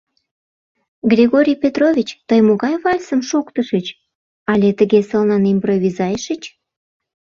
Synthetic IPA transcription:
ɡrʲiɣoɾʲijpʲet̪rovʲit͡ɕt̪əjmoɣɑjβɑlʲsəmʃokt̪əʃət͡ɕ | ɑlʲet̪əɣesəlnɑnimprovʲizɑjʃət͡ɕ

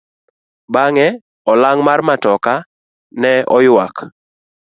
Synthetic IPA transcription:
baŋɛ | ɔlaŋmarmatɔka | nɛɔjwak

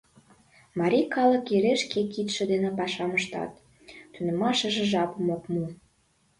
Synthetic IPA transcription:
mɑɾʲikɑlə̆kjeɾeʃkekit̪ʃĕd̪enĕpɑʃɑməʃt̪ɑ̰t̪ː | ynĕmɑʃə̆ʒĕʒɑpəmokmu

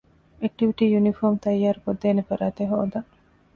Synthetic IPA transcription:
ek̚ʈiʋiʈiːjunifoːmt̪ɐjːaːɾukod̪ːeːnefɐɾaːt̪eɦo̰ːd̪ɐ

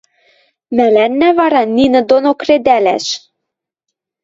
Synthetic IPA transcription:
mælænːævɑɾɑninɤ̆d̪onokred̪ælæʃ

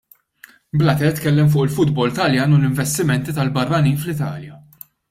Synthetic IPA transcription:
blɐt̪ɛt̪ːkɛlːɛmf̬ʊːʔɪlfʊd̪bɔlt̪ɐljɐːnʊlɪɱvɛst̪ɪmɛnt̪it̪ɐlbɐrːɐniːnflɪt̪ɐ̰ːljɐ

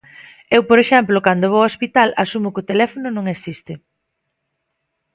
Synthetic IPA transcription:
ewpoɾeʃɛmplʊkand̪oβoospit̪alʔasumʊkɪʊt̪elɛfonʊnõŋesist̪ɪ

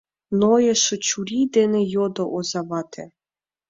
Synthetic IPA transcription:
nɔjɛʃɔt͡ɕuɾʲid̪ɛnɛjɔd̪ɔʔɔzavɑt̪ʰɛ̰

